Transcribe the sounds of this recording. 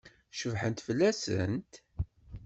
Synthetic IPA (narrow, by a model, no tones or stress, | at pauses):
ʃəvħənt̪fəlːæsə̰nt̪